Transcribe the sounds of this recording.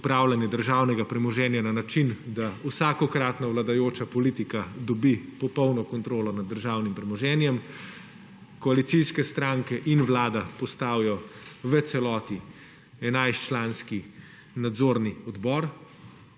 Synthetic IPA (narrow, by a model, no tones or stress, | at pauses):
upɾawlanjɛd̪əɾʒawnɛɡapɾɛmɔʒɛːnjananat͡ʃind̪auwsaːkɔkɾat̪nawlad̪ajoːt͡ʃapɔliːt̪ikad̪ɔbipɔpɔwnɔkɔnt̪ɾoːlɔnad̪ːəɾʒaːwnimpɾɛmɔʒɛːnjɛm | kɔalit̪siskɛst̪ɾaːŋkɛʔinʋlaːd̪apɔst̪aːwjɔʋət̪sɛlɔːt̪i | ɛnajst͡ʃlaːnski | nad̪zoːɾniɔd̪bɔːɾ